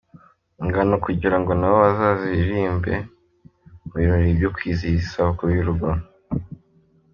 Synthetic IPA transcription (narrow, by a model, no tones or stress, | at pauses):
ŋɡanokuɟiɾaŋɡo̞nawoβazaziɾiːmbe̞̰ | muβiɾoɾibɟokwiːziisakuβjuɾuɡan